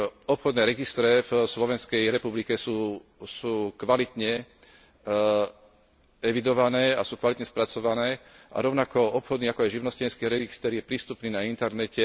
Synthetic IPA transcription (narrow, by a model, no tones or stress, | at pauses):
ɔpxɔd̪nɛːɾɛɡist̪ɾɛvslɔʋɛnskɛjɾɛpublikɛsuːsuːkʋalit̪ɲɛ | ɛʋid̪ɔʋanɛːasuːkʋalit̪ɲɛspɾat͡sɔʋanɛːʔa̰ɾɔʊnakɔɔpxɔd̪niːakɔajʒiʊnɔscɛnskiːɾɛɡist̪ɛɾjɛpɾiːst̪upniːnaint̪ɛɾnɛcɛ